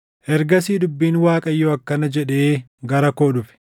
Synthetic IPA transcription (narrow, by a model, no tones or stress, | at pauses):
ʔɛɾɡɐsiːd̪ʊbːiːnwaːkʼɐjːoɐkːɐnɐd͡ʒɛᶑe̞ː | ɡɐɾɐkoːᶑʊfɪ̥